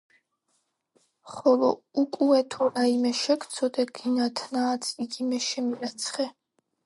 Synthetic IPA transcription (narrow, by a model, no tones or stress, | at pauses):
χɔlˠɔukʼuɛt̪ʰɔɾaimɛʃɛkʰt̪sʰɔd̪ɛɡ̥inat̪ʰnaːt̪sʰiɡimɛʃɛmiɾat̪sʰχɛ